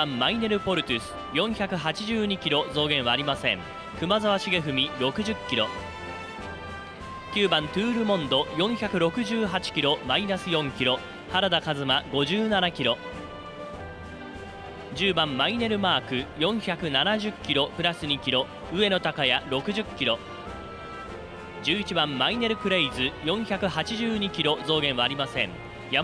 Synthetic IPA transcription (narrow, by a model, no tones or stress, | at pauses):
ãmːaine̞ɾɯ̟po̞ɾɯ̟t̪ʲɯsɨ̥jõ̞ɰ̃çakɯ̟ɦat͡ɕiʑɨːɲ̟ikʲiɾo̞zo̞ːɡẽ̞ɰ̃aːɾʲimasẽ̞ŋ | kɯ̟mazaβaɕiɡe̞ɦɯ̟mʲiɾo̞kɯ̟ʑɨkʲːiɾo̞ | kʲɨːbãnt̪ɯːɾɯ̟mõ̞nd̪o̞jõ̞ɰ̃çakɯ̟ɾo̞kɯ̟ʑɨːɦat͡ɕi̥kʲiɾo̞mainasɨjõ̞ŋkʲiɾo̞ | haɾad̪akazɨmaɡo̞ʑɨːnanakʲiɾo̞ | d͡ʑɨːbãmːaine̞ɾɯ̟maːkɯ̟jõ̞ɰ̃çakɯ̟nanaʑɨkʲːiɾo̞pɯ̟ɾasɨɲ̟ikʲiɾo̞ | ɯ̟e̞no̞t̪akajaɾo̞kɯ̟ʑɨkʲːiɾo̞ | d͡ʑɨːit͡ɕibãmːaine̞ɾɯ̟kɯ̟ɾeizɨjõ̞ɰ̃çakɯ̟ɦat͡ɕiʑɨːɲ̟ikʲiɾo̞zo̞ːɡẽ̞ɰ̃βaːɾʲimasẽ̞ŋ | ja